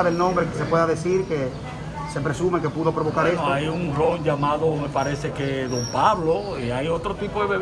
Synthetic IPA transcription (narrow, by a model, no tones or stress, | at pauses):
aðelnõmbɾekesepweðaðesiɾke | sepɾesumekepuðopɾoβokaɾeoajuŋroɲd͡ʒamaðomepaɾesekeðompaβloiajot̪ɾot̪ipoðeβeβ